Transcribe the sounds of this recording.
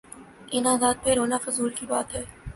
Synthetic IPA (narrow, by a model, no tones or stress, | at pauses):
ɪnaːzaːd̪̚peɾoːnafʊzuːɾkiba̰ːt̪ɦɛː